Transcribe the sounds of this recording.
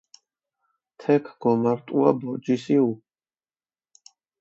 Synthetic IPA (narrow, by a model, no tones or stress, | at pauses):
t̪ʰɛkʰɡ̥ɔmaɾt̪ʼuabɔd͡ʒisiu